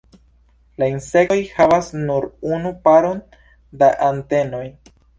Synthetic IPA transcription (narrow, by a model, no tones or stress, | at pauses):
lainse̞kojhavasnuɾunupaɾo̞n | daʔante̞no̞j